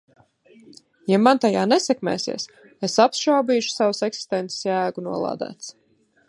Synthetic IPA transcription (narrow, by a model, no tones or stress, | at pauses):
jamant̪ajaːnɛsɛkmɛ̰ːsḭɛs | esapʃawbiːʃu̥sawsɛksi̥st̪ɛnt̪se̥sjæːɡunuɔlˠɑ̰ːd̪æ̰ːt̪s